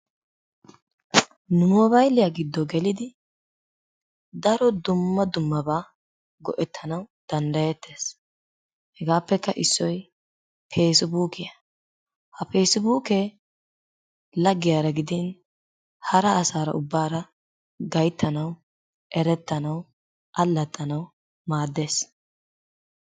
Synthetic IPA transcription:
nʊmɔbɐjlɪjaɡɪd̪ːɔɡɛlɪd̪ɪ | d̪ɐɾɔd̪ʊmːɐd̪ʊmːɐbaː | ɡɔ̰ʔɛt̪ʰːɐnɐwd̪̥ɐnd̪ɐjɛt̪ʰːe̞ːs | hɛɡaːpːɛkːɐʔɪsːɔj | pʰe̞ːsɪbuːkɪjɐ | hɐpeːsɪbuːkɛ | lɐɡːɪjaːɾɐɡɪd̪ɪn | hɐɾɐːsaːɾɐ̰ʔʊbːaːɾɐ | ɡɐjt̪ːɐnɐw | ʔɛɾɛt̪ːɐnɐw | ʔɐlːɐt̪ʼːɐnɐw | maːd̪ːe̞ːs

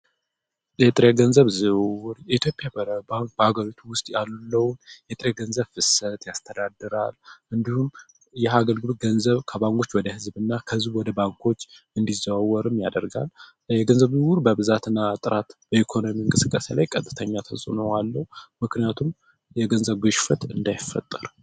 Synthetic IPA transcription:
jɛt̪ʼɾeɡənzəβzɨβwuɾjɛit̪ʰjo̞pʼjabbaŋkbəhaɡəɾit̪ʰuwʊst̪ʼjallːəwnjɛt̪ʼɾeɡənzəβfɨsət̪jast̪ʰəd̪ad̪ɨɾalʔɨnd̪ihum | jɛɦaɡəlɡɨlot̪̚ɡənzəβkʰəbaŋkʰʼo̞t͡ʃːwɔd̪əhɨzbɨnːakʰəhɨzbwɔd̪əbaŋkʰo̞t͡ʃː | ɨnd̪izaβawːɔɾɨmjad̪əɾɡa̰l | jɛɡənzəβzɨwʊɾbəbɨzat̪ʰɨnːat̪ʼɨɾʔat̪b̥əikʰo̞no̞miɨŋkʼɨsɨkʼːəsela̰jkʼət̪ʼːɨt̪ʰəɲːat̪ʰəsʼɨnowalːəhumɨknijat̪ʰum | jɛɡənzəβɡoʃfət̪ʰɨ̰nd̪ajɪfːə̰t̪ʼːəɾ

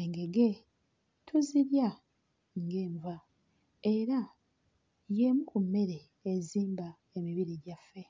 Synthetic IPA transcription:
eŋɡe̞ɡe̞ | tʰuziɾja | ŋɡe̞ːɱva | e̞ɾa | jemukumːe̞ɾe̞ː | ziːmba | e̞miβiɾiɟafe̞

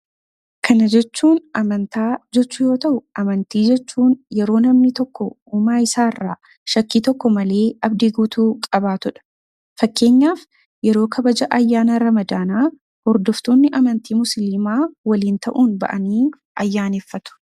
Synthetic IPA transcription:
kʰɐnɐd͡ʒɛt͡ʃːuːnɐmɐnt̪aːd͡ʒɛt͡ʃːʊjo̞ːt̪ɐʔʊʔɐmɐnt̪iːd͡ʒɛt͡ʃːuːnjɛɾo̞ːnɐmnɪt̪ɔkːɔ | uːmaːɪsaːrːaː | ʃɐkːiːt̪ɔkːɔmɐle̞ːɐbd̪iɡuːt̪uːkʼɐbaːt̪ʊᶑɐ̥ | fɐkːe̞ːɲːaːf | jɛɾo̞ːkʰɐbɐd͡ʒɐʔɐjːaːnɐɾɐmɐd̪aːnaː | hɔɾd̪ɔft̪o̞ːnːɪʔɐmɐnt̪iːmʊslɪmaːwɐliːnt̪ɐʔuːnbɐ̰ʔɐniː | ʔɐjːaːneːfːɐt̪ʊ̥

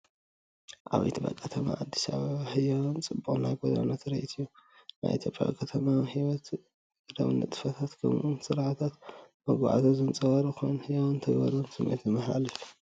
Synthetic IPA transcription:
ʔaβɐ̰jt̪ʰɨbɐ̰kʼʰːɐt̪ʰɐma̰ʔad̪ːi̥saβɐβaħɨjawunt͡sʼɨbːuʔʼunajɡod̪a̰not̪ɾɐit̪ʰɨjːuna̰jʔit̪ʰjo̞pʼja̰βkʰʼɐt̪ʰɐmahiwɔt̪ | ɾɐ̰βɨnːɐt̪ʼɨ̥fɐt̪ʰat̪kʰɐ̰mʔumsɨɾaʕat̪ʰat̪mɐɡaʕa̰t̪ʰozɨnt͡sʼɐwɐɾɨxonhɨjawunt̪ʰɐɡbɐ̰ɾunsɨmʔɐ̰jt̪ʰimɐħɾa̰lɨ

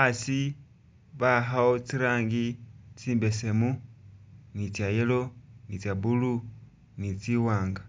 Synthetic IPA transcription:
asi | βaɦaot͡siɾaːŋɡit͡siːmbe̞se̞mu | nit͡sjajelo̞nit͡saβulu | nit͡siwaːŋɡa

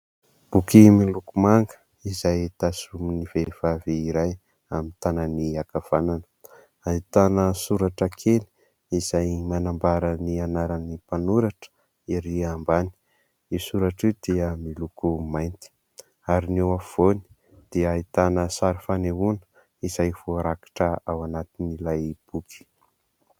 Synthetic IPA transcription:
b̥ukimilukumaŋɡə̥ | izajt̪asuminivev̥aveiɾaj | amint̪ananiakav̥ananə | ait̪anəsuɾaʈ͡ʂakʰeli̥ | izajmanambaɾənianaɾanipanuɾaʈ͡ʂə̥ | iɾiambani̥ | isuɾaʈ͡ʂiwd̪iəmilukumajnt̪i̥ | aɾinewav̥oni̥ | d̪̥iəait̪anəsaɾifaneɦunə̥ | iz̥ajvoaɾakḁʈ͡ʂəawanat̪inilajb̥ukʰi̥

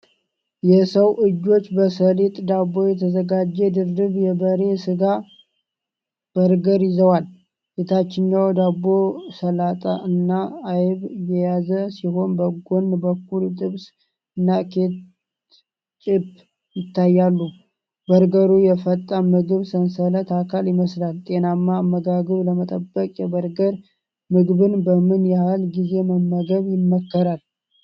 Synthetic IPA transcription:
jɛsəwʔɨd͡ʒːo̞t͡ʃːbəsəlet̪ʼd̪abːo̞jɛt̪ʰəzəɡad͡ʒːɛd̪ɨɾd̪ɨβjɛbəɾe̞sɨɡa | b̥əɾɡəɾjɪzəwal | ket̪ʰat͡ʃːɪɲɲawd̪abːo̞səlat̪ʼa̰ʔɨnːaːjβjɛjazəsiɦo̞nbəɡonbəkːult̪ʼɨβs | ɨnːakʰe̞t̪ | t͡ʃʼɪb | jɪt̪ʰːajːalːu | bəɾɡəɾujɛfət̪ʼːamɨɡɨβsənsələt̪akʰaljɪməslalt̪ʼe̞namːaːmːəɡaɡɨβləmət̪ʼəbːəkʼjɛbəɾɡəɾ | mɨɡbɨnbəmɨnjahlɡize̞məmːəɡəβjɪmːəkːəɾal

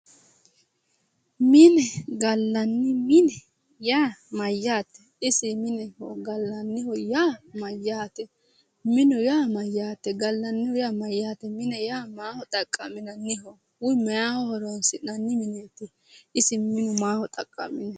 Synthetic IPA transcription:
mɪnɛɡɐlːɐnːɪmɪnɛ | jaːmɐjːaːt̪ːɛ̥ | ɪsɪmɪnɛhɔɡɐlːɐnːɪhɔjaːmɐjːaːt̪ɛ | mɪnʊjaːmɐjːaːt̪ːɛɡɐlːɐnːɪhɔjaːmɐjːaːt̪ɛmɪnɛjaːmaːhɔt̪ʼɐkʼːɐmɪnɐnːɪɦɔ | wʊjmɛjaːhɔhɔɾonsɪnɐnːɪmɪneːt̪ːɪ | ɪsɪmɪnʊmaːhɔt̪ʼɐkʼːɐ̰mɪnɛ

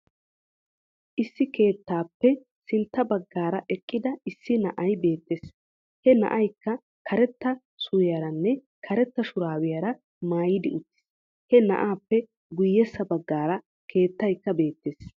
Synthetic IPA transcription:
ʔɪsːɪke̞ːt̪ːaːpːɛ | sɪnt̪ːɐbɐɡːaːɾɐʔɛkʼːɪd̪ɐɪsːɪnɐʔɐjbe̞ːt̪ːeːs | hɛnɐ̰ʔɐjkːɐ | kʰɐɾɛt̪ːɐ | sʊwɪjɐɾɐnːɛ | kʰɐɾɛt̪ːɐʃʊɾaːwɪjɐɾɐ | maːjɪd̪ɪʊt̪ːɪ̥s | hɛnɐ̰ʔaːpːɛ | ɡʊjːɛsːɐbɐɡːaːɾɐ | kʰe̞ːt̪ːɐjkːɐbe̞ːt̪ːeːs

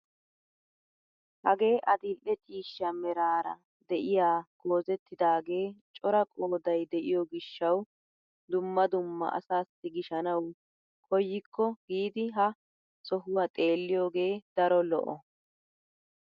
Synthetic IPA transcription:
hɐɡe̞ːʔɐd̪ɪlʔːɛt͡ʃʼiːʃːɐmɛɾaːɾɐ̰ | d̪ɛʔɪjaːɡ̥o̞ːzɛt̪ːɪd̪aːɡe̞ːt͡ʃʼɔɾɐkʼoːd̪ɐjd̪ɛʔɪjɔɡɪʃːɐw | d̪ʊmːɐd̪ʊmːɐ̰ʔɐ̰saːsːɪɡɪʃɐnɐw | kʰɔjːɪkʰːɔɡiːd̪ɪɦɐ | sɔɦʊwɐt̪ʼe̞ːlːɪjoːɡe̞ːd̪̥ɐɾɔlɔ̰ʔɔ

